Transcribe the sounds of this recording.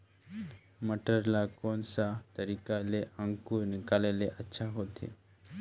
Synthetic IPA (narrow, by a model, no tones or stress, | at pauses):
məʈəɾlakonsat̪əɾikaleə̃ŋkunɪkaleleʔətːʃʰaɦot̪ʰḛ